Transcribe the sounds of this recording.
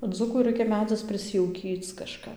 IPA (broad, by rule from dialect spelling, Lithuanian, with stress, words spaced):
ˈd͡zuːkʊ ˈrɐɪkʲɛ ˈmʲæːd͡zʲɪs pʲrʲɪˈsʲɪjɛʊkʲiːt͡s kɐˈʃkɐp